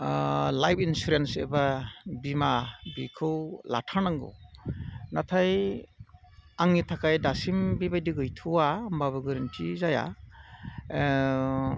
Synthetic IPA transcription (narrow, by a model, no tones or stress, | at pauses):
lajpʰinsuɾensḛbabimabikʰɯwla̰tʰanaŋɡɯ̰ | natʰaj | aŋnitʰakajdasimbibajdɯɡɯjtʰuwambaβɯɡɯɾintʰizaja̰